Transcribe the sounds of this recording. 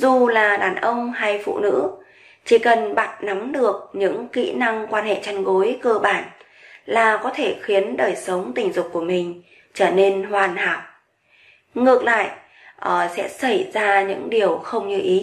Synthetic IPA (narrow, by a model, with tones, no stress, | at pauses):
zu˨˩laː˨˩ɗaː˨˩nʔə˧wŋ͡mha˧jfṵ˧˨nɨ̰˧˥ | t͡ɕi˧˩kə˨˩nɓa˨˩t̚na˨˦mɗɨ˨˩ək̚ɲɨ̰˧˥ŋkḭ˧˥na˧ŋkwaː˧nhḛ˧˨t͡ɕa˧nɣo˨˦jkəː˧ɓaː˧˩n | laː˨˩kɔ˨˦t̪ʰe˧˩xi˨˦ənɗəː˨˩jsə˨˦wŋ͡mt̪ï˨˩ŋ̟zʊ˨˩k͡p̚ku˧˩əmï˨˩ŋ̟ | t͡ɕəː˧˩ne˧nhwaː˨˩nhaː˨˩k͡p̚ | ŋɨ˨˩ək̚la̰ː˧˨jʔ | ʔəː˨˩sɛ̰˧˥sə˧˩jzaː˧ɲɨ̰˧˥ŋɗi˨˩əwxə˧wŋ͡mɲɨ˧ʔi˨˦